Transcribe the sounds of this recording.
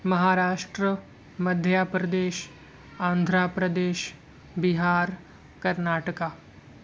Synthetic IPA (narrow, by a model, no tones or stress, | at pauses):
mɐɦaːɾaːʃʈɾə | məd̪ʱjaːpɾəd̪eːʃ | ãːnd̪ʱɾaːpɾəd̪eːʃ | biɦaːɾ | kɐɾnaːʈəkaː